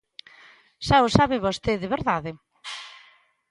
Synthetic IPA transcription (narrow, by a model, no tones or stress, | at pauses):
ʃawsaβeβost̪eðeβeɾðaðe